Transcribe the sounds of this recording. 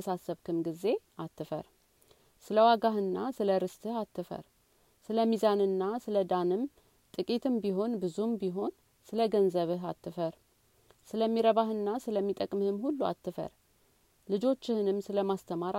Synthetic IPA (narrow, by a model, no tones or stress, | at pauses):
əsasːəβkʰɨmɡize̞ʔat̪ʰːɨfə̰ɾ | sɨləwaɡahɨnːasɨləɾɨst̪ʰɨhat̪ʰːɨfə̰ɾ | sɨləmizanɨnːasɨləd̪anɨm | t̪ʼɨkʼit̪ʰɨmbiɦo̞nbɨzumbiɦo̞n | sɨləɡənzəβɨɦa̰t̪ʰːɨfəɾ | sɨləmːiɾəβahɨnːasɨləmːit̪ʼəkʼmhɨmhulːua̰t̪ːɨfə̰ɾ | lɨd͡ʒo̞t͡ʃːɪhɨnɨmsɨləmast̪ʰəmaɾ